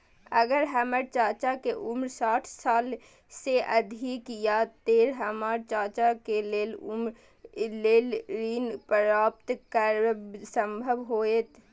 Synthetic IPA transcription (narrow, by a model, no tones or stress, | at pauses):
ɐɡəɾɦəməɾt͡ʃaːt͡ʃakeʔʊmɾsaːʈʰsaːl | seʔɐd̪ʱikjat̪eːɾɦəmaːɾt͡ʃaːt͡ʃakeleːlʊmɾ | leːlɾiːnpəɾaːp̚t̪kəɾsə̃mbʱəʋɦoːet̪